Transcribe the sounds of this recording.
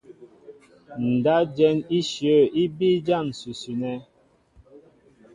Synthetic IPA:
n̩˨da˦d͡ʒɛ˦ni˦ʃjə˦˨i˦bi˦d͡ʒa˦˨n˨su˨su˨nɛ˦

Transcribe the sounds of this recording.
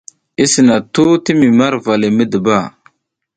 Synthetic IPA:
i˦sə˨na˨tu˦ti˦mi˨ma˦ɾva˨li˨mə˦də˨ba˦˨

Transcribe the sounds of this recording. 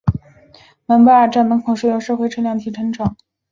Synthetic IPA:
ma˧˥npa˥ə˞˨˩ʈ͡ʂa˥˩nmə˧˥kʰʊ˨˩ʂɻ̩˥˩jo˧˩ʂɤ˥˧xwe˥˧ɪʈ͡ʂʰɤ˥ljɑ˥˩ŋt̪ʰi˧˩ʈ͡ʂʰɤ˧˥ŋʈ͡ʂɑ˨˩˦ŋ

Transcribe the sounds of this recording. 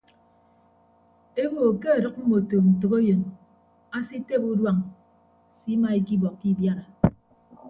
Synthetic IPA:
e˦bo˨ke˦a˨ɾʌ˦k̚m̩˦mo˨to˨n̩˨tɨ˨ko˦jo˨n | a˦si˦te˦pu˦dwa˨ŋ | si˦ma˨e˨ki˦bɔ˨kːi˦bja˦na˨

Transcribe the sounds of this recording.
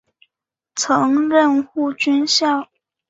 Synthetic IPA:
t͡sʰɤ˧˥ŋɻə˥˧nxu˥˩t͡ɕy˥nɕjɑ˥˩ʊ

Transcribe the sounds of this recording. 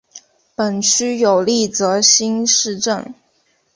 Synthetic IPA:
pə˨˩nt͡ɕʰy˥jo˨˩ʊli˥˩t͡sɤ˧˥ɕi˥nʂɻ̩˥˧ʈ͡ʂə˥˩n

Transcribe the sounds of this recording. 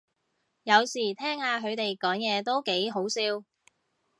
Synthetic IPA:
jɐ˨˧wsiː˨˩t̪ʰɛː˥ŋhaː˨˧ɦɵ˨˧ɥt̪e˨jkɔː˨˥ŋjɛː˨˧t̪o˥wke˨˥jɦo˨˥wsiː˥w

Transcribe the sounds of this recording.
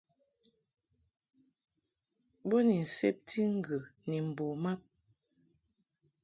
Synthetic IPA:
bo˦ni˨n̩˨se˦p̚tʰi˦ŋ̩˨ɡə˨ni˨m̩˨bo˨ma˦p̚

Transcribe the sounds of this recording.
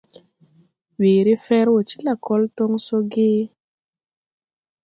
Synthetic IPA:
wi˨ɾɪ˦fɛ˦ɾwɔ˨t͡ʃi̥˦la˨kɔ˦ltɔ˦ŋso˦ɡɪ˦

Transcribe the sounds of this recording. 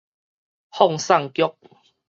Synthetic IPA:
hɔ˥˨ŋsa˥˨ŋkjɔ˦k̚

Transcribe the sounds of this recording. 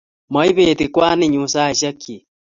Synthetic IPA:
ma˨i˦βe˨ti˨kwa˦ne˦ɲu˨sa˦˨ʃa˦kʰːi˨

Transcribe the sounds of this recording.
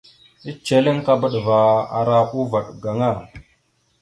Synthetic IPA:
i˦t͡ʃe˨li˦ŋka˦bə˨ɗva˨a̰˨ɾa˦ku˦va˨ɗɡa˨ŋa˦˨

